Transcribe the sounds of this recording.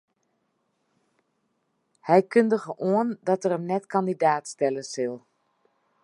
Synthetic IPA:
hɛjkʏndəɣəʔoəndɑtərəmnɛtkɑndidaːtstɛləsɪlˠ

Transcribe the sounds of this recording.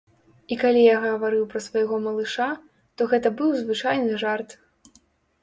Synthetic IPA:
ikalʲijaɣɐɣɐvaɾɨwpɾɐsvɐjɣɔmɐlˠɨʂa | t̪ɔɣɛt̪ɐbɨwzvɨt͡ʂajnɨʐart̪

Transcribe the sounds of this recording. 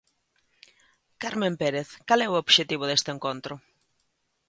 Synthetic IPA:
kaɾmẽmpeɾeθkalɛʊobʃet̪iβ̞ʊðest̪ɪeŋkont̪ɾʊ

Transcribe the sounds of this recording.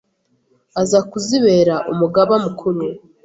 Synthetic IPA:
azakuziβe̞ɾaʔumuɡaβamukʰuɾu

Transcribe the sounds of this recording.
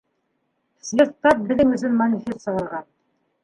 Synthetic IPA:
sʲvʲet̪ɑt̚bɘ̆lɘ̆ŋɵ̆zɘnmɐnʲɪfʲest̪sɑlˠɑʁɑn

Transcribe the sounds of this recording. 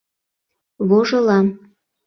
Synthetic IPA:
βoʒɤlɑm

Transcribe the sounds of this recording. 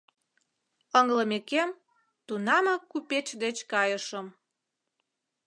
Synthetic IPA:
əŋləmekem | t̪unɑmɑkːupet͡ɕd̪et͡ɕkɑjəʃəm

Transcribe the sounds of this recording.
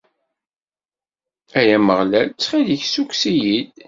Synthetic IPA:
æjæməʁlælt͡sːχiðəçsukʷsijid̪

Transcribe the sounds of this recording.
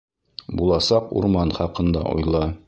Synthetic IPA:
bulˠɑsɑqṵɾmɑnχɑqɤ̆nd̪ɑ̰ʔṵjlˠɑ

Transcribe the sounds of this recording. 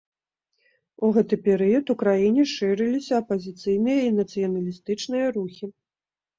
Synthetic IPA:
uɣɛt̪ɨpʲɛɾɨjɐt̪ukɾajinʲɛʂɨɾɨlʲisʲɐːpɐzʲit̪sɨjnɨjɐinɐt̪sɨjɐnɐlʲist̪ɨt͡ʂnɨjɐɾuxʲi

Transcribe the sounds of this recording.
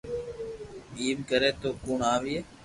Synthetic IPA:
iːbkəɾeːt̪oːkuːɳaːʋiːeː

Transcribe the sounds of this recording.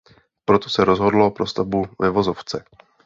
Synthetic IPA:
pɾo̞t̪o̞sɛɾo̞zɦo̞dlo̞pɾo̞st̪avbuvɛvo̞zo̞ft͡sɛ

